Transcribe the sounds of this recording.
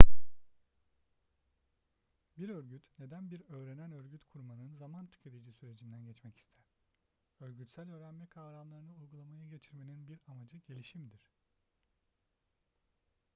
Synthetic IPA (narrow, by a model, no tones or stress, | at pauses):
biɾøɾɟyt̪ne̞d̪ænbiɾø̞ːɾe̞nænø̞ɾɟyt̪kʰuɾmanɯnzamant̪ʰy̥cʰe̞t̪ʰed͡ʒisyɾe̞d͡ʒind̪ænɟɛt͡ʃmɛci̥st̪ʰæɾ̥ | ø̞ɾɟyt̪sælʲø̞ːɾænmɛkʰaːɾamlˠaɾɯnɯujɡulˠamajaɟe̞t͡ʃʰiɾme̞ninbiɾamad͡ʒɯɟe̞lʲiʃimd̪iɾ̥